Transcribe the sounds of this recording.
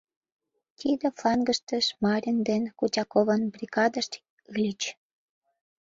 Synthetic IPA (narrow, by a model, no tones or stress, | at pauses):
t̪ʲid̪ə̆flɑŋɡəʃt̪ə̆ʃmɑɾʲənd̪enkut͡ɕʲɑkovənbrʲikɑd̪əʃt̪ | lʲit͡ɕ